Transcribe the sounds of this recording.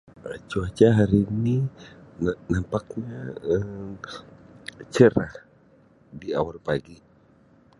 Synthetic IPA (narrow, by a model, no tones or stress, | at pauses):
at͡ʃuat͡ʃaɦaɾininnampak̚ɲa | t͡ʃəɾah | biawarpaɡi